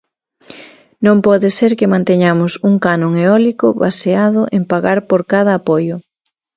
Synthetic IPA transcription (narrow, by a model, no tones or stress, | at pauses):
nõmpɔðɪseɾkɪmãnt̪eɲamʊsuŋkanõŋeɔlikʊβa̰seaðʊʔempaɣaɾpoɾkaðɐːpɔjʊ